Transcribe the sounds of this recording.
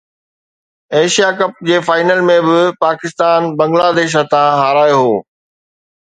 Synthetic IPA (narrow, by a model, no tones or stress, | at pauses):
eːʃijakɐp̚d͡ʑeːfaːɪnəlmẽbɪpaːkɪst̪aːnbɐ̃ŋɡlaːd̪eːʃ̬ɦɐt̪ãɦaːɾaːjɦoː